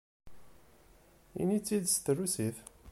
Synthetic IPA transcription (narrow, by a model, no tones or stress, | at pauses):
ḭnit͡sːid̪st̪rːusiθ